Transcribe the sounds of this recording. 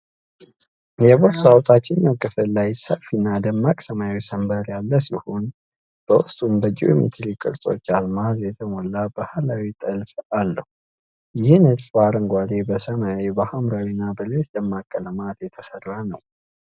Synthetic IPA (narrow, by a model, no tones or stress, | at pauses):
jɛboɾsawt̪ʼʰat͡ʃːɪnːawkʼɨfɨllːajsəfinːad̪əmːakʼsəmajawisəmbəɾjalːəsihon | b̥əwʊst̪ʼumbəd͡ʒiomḭt̪ʰɾikʼɨ̰ɾt̪ʼo̞̰t͡ʃːalmazjɛt̪ʰəmolːabahalawit̪ʼəlfalːəhu | jɪhnɨd̪fbaɾəŋɡʷad̪ebəsəmawibəhamɾawinːabəlewot͡ʃːd̪əmːakʼːələmat̪jɛt̪ʰəsərːanəw